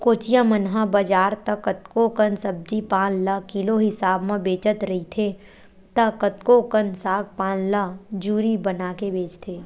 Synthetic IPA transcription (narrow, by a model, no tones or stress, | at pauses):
koːt͡ʃijãmənɦabəd͡ʒaːɾt̪əkət̪kokənsəb̚d͡ʒipãːnləkɪloɦɪsaːbmẽbeːt͡ʃət̪ɾəɦit̪ʰe | t̪əkət̪kokənsaːɡ̚pãːnləd͡ʒuːɾibənaːkebeːt͡ʃt̪ʰeː